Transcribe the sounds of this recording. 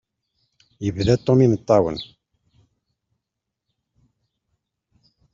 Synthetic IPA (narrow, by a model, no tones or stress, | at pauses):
jəvðæt̪ˤːominət̪ˤːɑwə̰n